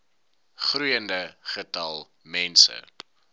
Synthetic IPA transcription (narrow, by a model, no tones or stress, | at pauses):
χrujəndəχətɐlˠ | mɛnsə̰